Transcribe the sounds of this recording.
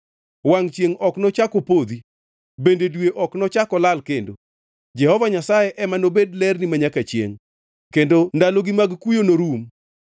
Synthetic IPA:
waŋt͡ʃjeŋɔknɔt͡ʃakopod̪i | bendedweʔɔknɔt͡ʃakɔlalkendo | d͡ʒɛhɔvaɲasajeʔɛmanobedlɛrnimaɲakat͡ʃjḛŋ | kendondaloɡimaɡkujonoɾum

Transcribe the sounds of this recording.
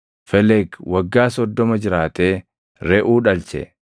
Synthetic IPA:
fɛlɛɡwɐɡːaːsɔd̪ːɔmɐd͡ʒɪɾaːt̪eː | ɾɛʔuːᶑɐlt͡ʃɛ̰

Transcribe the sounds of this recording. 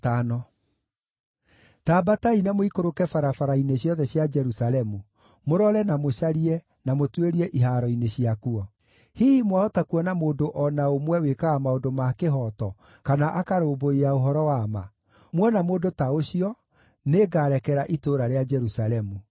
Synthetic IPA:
tanɔ | tabatainamoikoɾokɛfaɾafaɾaineɕjɔðɛɕjad͡ʒɛɾusalɛmu | moɾɔɾɛnamoɕaɾiɛ | namotweɾiɛʔiɦaːɾɔineɕiakuɔ | hiimwaɔtakuɔnamoːdoʔɔnaomwɛwekaɣamaodomakeɦɔtɔ | kanaʔakaɾoːboiaoɦɔɾɔwama̰ | mwɔnamoːdotaoɕiɔ | neɡaːɾɛkɛɾaʔitoɾaɾead͡ʒɛɾusalɛmu

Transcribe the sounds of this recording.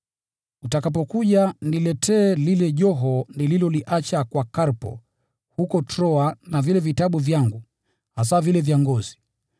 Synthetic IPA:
utakap̬ɔkuʄanilɛtʰɛːlilɛʄɔɦɔnililɔliʔat͡ʃakwakaɾpɔ̰ | hukɔtɾɔanavilɛvitaɓuvjaŋɡu | has̬avilɛvjaŋɡɔzi̥

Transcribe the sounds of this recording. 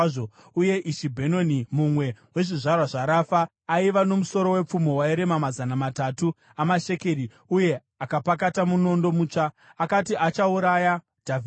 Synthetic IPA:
o | uje̞ʔiʃibʱeno̞nimumwe̞we̞ʐiʐarwaʐaɾafaː | iʋano̞muso̞ɾo̞we̞p͡fumo̞waeɾe̞mamazanamatatu | amaʃe̞ke̞ɾi | uje̞ | akapakatamuno̞ndo̞muːt͡ʂaː | katiʔat͡ʃauɾaːja | d̥ʱavi

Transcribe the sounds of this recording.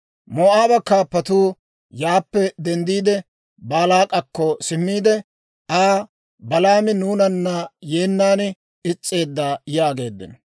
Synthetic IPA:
moʔaːbɐkaːpːɐt̪uː | jaːpːɛd̪ɛnd̪iːd̪ɛ | baːlaːkʼɐkːɔsɪmːiːd̪ɛ | aː | bɐlaːmɪnuːnɐnːɐje̞ːnːaːn | ɪt͡sʼːe̞ːd̪ːaːjaːɡe̞ːd̪ːɪ̰nɔ

